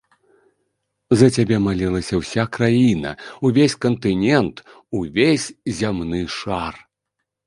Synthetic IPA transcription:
zɐt͡sʲabʲɛmalʲilˠɐsʲɐwsʲakɾajinɐ̰uvʲesʲkɐnt̪ɨnʲɛnt̪ | uvʲesʲzʲamnɨʂar

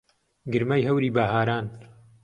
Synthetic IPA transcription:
ɡɨɾmɐjɦɐwɾiːbaːɦaːɾaːn

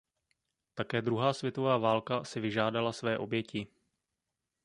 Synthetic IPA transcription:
t̪akɛːd̪ɾuɦaːsvjɛt̪o̞vaːvaːlkasɪvɪʒaːdalasvɛːʔo̞bjɛcɪ

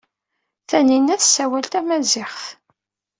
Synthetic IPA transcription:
θæninːæθsːæwælt̪æmæzɪχθ

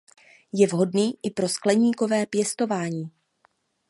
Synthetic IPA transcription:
jɛvɦo̞dniːʔɪpɾo̞sklɛɲiːko̞vɛːpjɛst̪o̞vaːɲiː

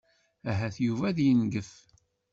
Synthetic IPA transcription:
æɦæθjuvæðjənɡəf

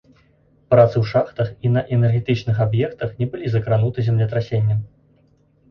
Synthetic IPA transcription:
pɾat̪sɨwʂaxt̪ɐxinɐʔɛnɛrɣʲɛt̪ɨt͡ʂnɨxabjɛkt̪ɐxnʲɛbɨlʲizɐkɾanut̪ɨzʲɛmlʲɛt̪̬ɾasʲenʲːɐm

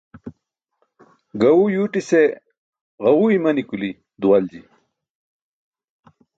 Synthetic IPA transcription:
ɡɐwujuːʈise | ʁɐwuimɐnikuli | d̪uwɐld͡ʑi

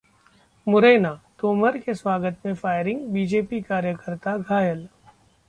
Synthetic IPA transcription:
mʊɾeːnaːt̪oːməɾkeswaːɡət̪mẽfaːɪɾɪ̃ŋɡbiːd͡ʒeːpikaːɾjəkəɾt̪aɡʱaːjəl

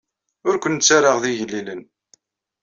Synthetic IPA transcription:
ʊɾkʷənt͡sːaɾəʁðiʝəlːilən

